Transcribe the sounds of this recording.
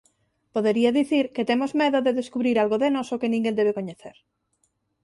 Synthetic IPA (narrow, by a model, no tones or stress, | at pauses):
poðeɾiaðiθiɾket̪emozmeðoðeðeskuβɾiɾalɣoðenosokenĩŋɡẽnd̪eβ̞ekoɲeθeɾ